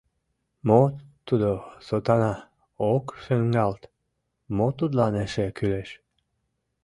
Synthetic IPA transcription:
mot̪ːud̪osot̪ɑnɑ | okʃøŋɡɑlt̪ | mot̪ud̪lɑneʃekyleʃ

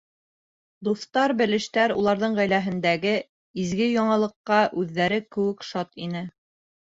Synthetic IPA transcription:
d̪uθt̪ɑɾbɘ̆lɘ̆ʃt̪æɾṵlˠɑɾðɤɴʁæjlæɦɘ̆nd̪æɡɘ | izɡɘjɒɴɑlˠɤ̆qːɑʔʉðːæɾɘkɘ̆wɘ̆kʃɑt̪inɘ

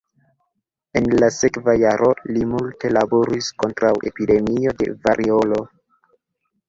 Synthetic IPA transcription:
e̞nlase̞kvajaɾʔo̞limulte̞labo̞ɾisko̞ntɾawʔe̞̰pide̞mio̞de̞̰vaɾʔio̞lo̞

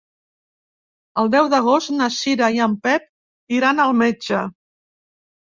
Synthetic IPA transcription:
əlˠd̪ɛwðəɣ̞ost̪nəʃiɾajəmpɛp̚ | iɾanəlˠmed͡ʒə

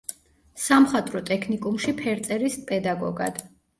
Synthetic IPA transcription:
samχat̪ʼɾɔt̪ʼɛkʰnikʼumʃipʰɛɾt̪sʼɛɾispʼɛd̪aɡɔ̰ɡa̰d̪̥

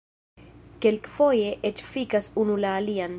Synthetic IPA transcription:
kelkfojeʔet͡ʃfikasunulaːlian

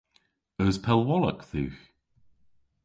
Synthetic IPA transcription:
əːzpʰɛlˠwɔlˠə̰kθʉ̰ːx

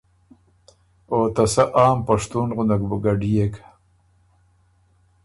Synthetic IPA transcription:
oːt̪ɐsaʔaːmpaʂt̪unʁʊnakbəɡaɖijekʰḁ

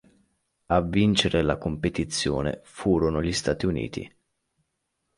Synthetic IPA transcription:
avːint͡ʃeɾelakompet̪it̪sːjo̰ːnḛfuːɾonoʎist̪aːt̪iunḭːt̪ḭ

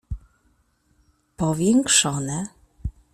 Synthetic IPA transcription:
pɔvʲjɛŋkʂɔnɛ

